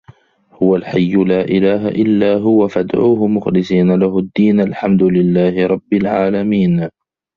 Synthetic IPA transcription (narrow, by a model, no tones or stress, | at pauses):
hʊwalħajːʊlaːʔɪlaːɦaʔɪlːaːɦʊwafad̪ʕuːhʊmʊxlɪsiːnalaɦʊd̪ːiːnʔalħamd̪ʊlɪlːaːhɪɾˤɑbːɪlʕaːlamiːn